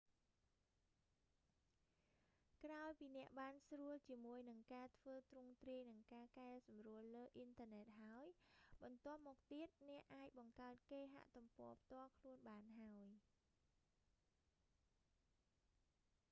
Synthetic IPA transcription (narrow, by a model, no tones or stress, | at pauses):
kraɔjpiːnɛ̆əʔɓaːnsruəlt͡ɕiəmuəjnɨŋkaːt̪ʰʋəːt̪rʊŋt̪riəjnɨŋkaːkaɛlsɑmruəlːəːʔint̪ʰəənɛːt̪̚ɦaəjɓɑnt̪ŏəp̚mɔːk̚t̪iət̪̚nɛ̆əʔaːc̚ɓɑŋkaət̪̚keːɦa̰ʔt̪umpŏəpʰt̪ŏəlkʰluənɓaːnɦaəj